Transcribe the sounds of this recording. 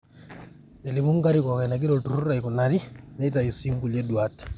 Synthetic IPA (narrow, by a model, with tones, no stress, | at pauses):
ɛ˨li˨mu˦ŋɡa˦ɾi˦kɔ˨ka˨i˨na˨ɡ̬i˦ɾɔ˨tu˨ɾu˦ɾa˨i˨kɔ˨na˨ɾi˦nɛ˦i˦ta˨i˨si˦ŋɡu˨ljɛ˦ɗwa˦ti̥˨